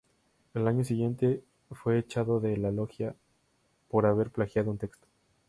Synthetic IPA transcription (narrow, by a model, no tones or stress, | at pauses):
elaɲo̞siɣje̞nt̪e̞ | fwe̞ːt͡ʃaðo̞ðe̞lalo̞xja | po̞ɾaβ̞e̞ɾplaxjaðount̪e̞kst̪o